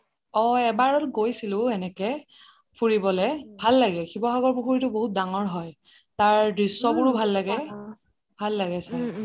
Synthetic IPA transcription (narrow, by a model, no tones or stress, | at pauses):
ɔɛbaɹɔtɡojsilʊ̃ɛnɛkɛ | pʰuɹibɔlɛbʱalːaɡɛxibɔɦaɡɔɹpuxuɹitʊboɦut̚daŋɔɹɦɔj | taɹdɹisːɔbʊɹubʱalːaɡɛ | bʱalːaɡɛsaɹ